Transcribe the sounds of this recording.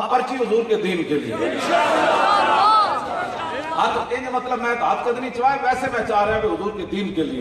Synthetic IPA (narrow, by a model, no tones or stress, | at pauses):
pɐɾt͡ʃʰiɦʊzuːɾked̪iːnkelḭḛ | ɦɐt̪ẽːd͡ʒemɐt̪ləbmɛ̃at̪̚kɐd̪mit͡ʃɐʋaːekɛːsemɛ̃t͡ʃaːɾẽkeɦʊzuːɾked̪iːnkeliḛ